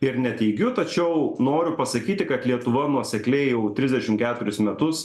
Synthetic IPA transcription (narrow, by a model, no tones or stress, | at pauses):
ɪɾnʲɛt̪ʲɛɪɡʲʊt̪ɐt͡ʃʲɛʊnoːɾʲʊpɐsɐkʲiːt̪ʲɪkɐt̪lʲiɛt̪ʊʋɐnuɔsʲɛklʲɛɪjɛʊt̪ʲɾʲɪzʲdʲɛʃʲɪmkʲæːt̪ʊɾʲɪsmʲɛt̪ʊs